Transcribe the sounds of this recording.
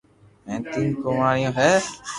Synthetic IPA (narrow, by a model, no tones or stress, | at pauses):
ɛ̃ːt̪ɪnkoːmaːɽɪjõːɦɛː